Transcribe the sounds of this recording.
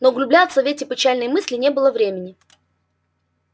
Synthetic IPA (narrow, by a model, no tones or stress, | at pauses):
noɡlʲʊblʲat̪səvʲetʲɪpʲɪt͡ɕælʲnəjmɨsʲlʲɪnʲe̞bɨlˠəvɾʲemʲɪnʲɪ